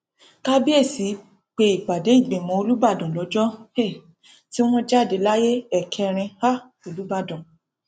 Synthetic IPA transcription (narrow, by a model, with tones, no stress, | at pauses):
ka˦bi˦e˦˨si˨˦ | k͡pe˧i˨k͡pa˨de˨˦i˦˨ɡ͡bẽ˨mɔ̃˨˦o˧lu˦ba˦˨dɔ̃˨lɔ˨˦d͡ʒɔ˦e˦˨ | ti˦w̃ɔ̃˦d͡ʒa˦˨de˨˦la˦je˦ɛ˦˨kʰɛ˧ɾ̃ĩ˧ha˦˨ | o˧lu˦ba˦˨dɔ̃˨